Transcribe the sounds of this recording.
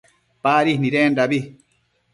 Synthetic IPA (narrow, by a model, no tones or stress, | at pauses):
paːɾihniɾendabi